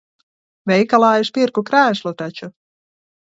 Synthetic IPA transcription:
vʲɛjkalˠaːjiʃpʲiɾkukɾæːʃlˠut̪at͡ʃu

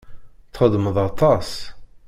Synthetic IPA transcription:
θχəd̪ˤməðˤɑt̪ˤɑs

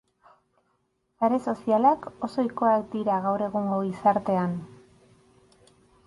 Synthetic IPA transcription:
saɾe̞so̞sialako̞so̞jko̞akd̪iɾaɣawɾe̞ɣuŋɡo̞ɣisaɾt̪e̞an

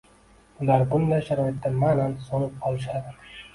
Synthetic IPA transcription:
ʊlaɾbʊnd̪ajʃaɾɒɪt̪ːamanansonɪp̚qʰɒlˠɪʃ̬ad̪ɪ

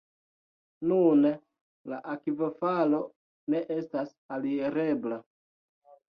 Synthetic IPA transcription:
nun | laʔakivofalo̞ | ne̞ʔe̞stas | alieɾe̞bla

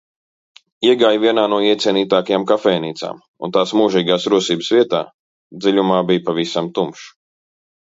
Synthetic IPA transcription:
iɛɡaːjviɛnaːnuɔiɛt̪siɛniːt̪aːkajamkafɛjniːt̪sa̰ːm | ṵnt̪aːsmuːʒiːɡaːsɾuɔsiːbsvʲiɛt̪a̰ː | d̪zilʲumaːbijpavisamt̪umʃ

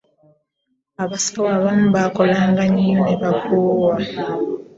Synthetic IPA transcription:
aβasawaβam̩bakɔlaŋɡaɲiɔnɛbakowa

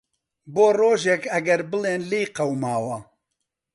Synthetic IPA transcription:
boːroːʒekɐɡɐɾbɨleːnliːjqɐwmaːwɐ

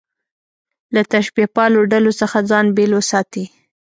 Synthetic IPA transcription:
lat̪aʃbipɑloɖalosəxad͡zɑnbelwəsɑt̪i

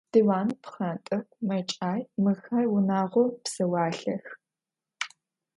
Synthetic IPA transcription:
diːwaːnpχɐntʼɨχʷmɐt͡ʃʼaːjmɨxaːjwʊnaːʁʷɔpsɐwɑːɬɐx

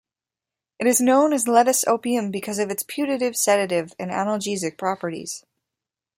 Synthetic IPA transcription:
ɨɾɨznõʊ̃nɨzlɛɾɨso̰ʊpiɨ̃mbɨkʰʌzʌvɨtspʰj̥ʉɾɨɾɨv̥sɛɾɨɾɪvɨ̃næ̰nl̩ˠd͡ʒizɨk̚pʰɹ̥ɑpə˞ɾḭz̥

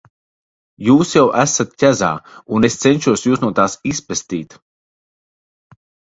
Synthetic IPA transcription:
juːsjawʔæsat̪cʲaza̰ːunest̪sɛnʲʃuɔsjuːsnuɔt̪aːsispɨst̪iːt̪

